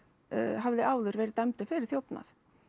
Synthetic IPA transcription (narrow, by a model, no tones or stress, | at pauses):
ɦavðɪʔaːwðʏɾvɛːɾɪt̪amt̪ʏfɛːɾɪ̥θjowpna̰θ